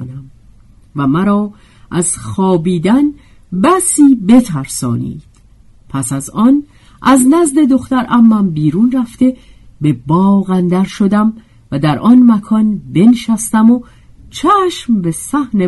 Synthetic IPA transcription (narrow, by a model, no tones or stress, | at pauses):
næm | væmæɾɒː | ʔæz̥xɒːbiːd̪æn | bæsiːbe̞t̪ʰæɾsɒ̰ːnḭːd̪̥ | pʰæsæzɒːn | ʔæznæzd̪e̞d̪o̞xt̪æɾʔæmːæmbiːɾuːnræft̪e̞ | be̞bɒːɣænd̪æɾʃo̞d̪æm | væd̪æɾʔɒːnmækʰɒːnbe̞nʃæst̪æmo | t͡ʃʰæːʃmbe̞sæhne